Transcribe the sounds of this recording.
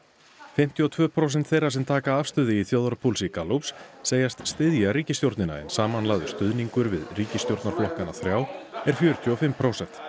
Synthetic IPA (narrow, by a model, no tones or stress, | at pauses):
fɪm̥t̪ʰjiɔt̪ʰvœːpʰɾows̬ɛnt̪θejrːaɾsɛmt̪ʰaːkaafst̪ʏːðɪiθjoːðaɾpʰulsikaluwpsseːjast̪st̪ɪðjaɾiːcɪst̪jowɾt̪nɪna̰ɛ̰nsaːmanlaːðʏst̪ʏðniŋkʏɾvɪ̰ðriːcɪst̪jowɾt̪naɾflɔhkanaθɾjaːwɛɾ̥fjœːɾʏt̪ʰjɔɔfɪmpʰɾowsɛn̥t̪